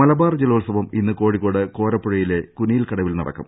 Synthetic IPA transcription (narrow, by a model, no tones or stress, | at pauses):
mɐlɐbaːrd͡ʑeloːlsɐʋɐminːɨko̞ːɻikːo̞ːɽɨko̞ːɾɐpːuɻɐjile̞kunijilkɐɽɐʋilnɐ̰ɽɐ̰kːɐm